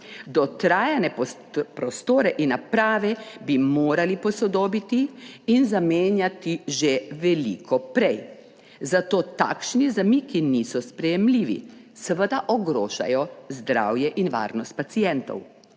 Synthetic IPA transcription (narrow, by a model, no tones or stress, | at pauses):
d̪ɔt̪ɾaːjɛnɛ | pɾɔst̪oːɾɛʔinːapɾaːʋɛbimoːɾalipɔsɔd̪oːbit̪iːnzameːnjat̪iʒeʋɛlḭkʰɔpɾɛj | zat̪oːt̪a̰ːkʃnizamiːkinisɔspɾɛjɛmliːʋḭsəʋəd̪aʔɔɡɾoːʒa̰jɔzd̪ɾa̰wjɛʔinʋa̰ːɾnɔst̪̚pat̪sijɛnt̪ɔ̰w